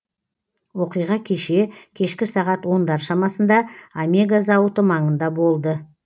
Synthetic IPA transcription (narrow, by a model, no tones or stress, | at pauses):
wo̞qijʁɑkʲʰe̞ʃe̞kʲʰe̞ʃkʲɪsɑʁɑt̪wo̞nd̪ɑɾʃɑmɑsənd̪ɑamʲeɡazɑwət̪əmɑɴənd̪ɑbo̞lˠd̪ə